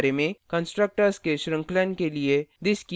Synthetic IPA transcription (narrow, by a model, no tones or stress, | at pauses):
ɾemẽkɐ̃nsʈɾək̚ʈəɾskeʃɾɐ̃ŋklənkelied̪ɪʃki